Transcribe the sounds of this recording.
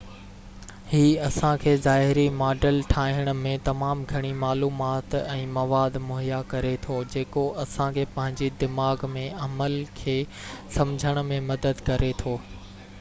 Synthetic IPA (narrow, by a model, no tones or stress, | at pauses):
hiːɐsãkʰeːzaːɦɪɾimaːɖəlʈʰaːɦəɽ̃ʊ̆mẽt̪ɐmaːmɡʱɐɽ̃imaːluːmaːt̪ɛ̃ːmɐʋaːd̪mʊɦɪjakɐɾet̪ʰoːd͡ʑeːkoɐsãkʰeːpɐ̃ɦɪ̃ɲd͡ʑid̪ɪmaːɡmẽɐməlkʰeː | sɐmd͡ʑʱəɽ̃̆mẽmɐd̪əd̪kɐɾʔet̪ʰoː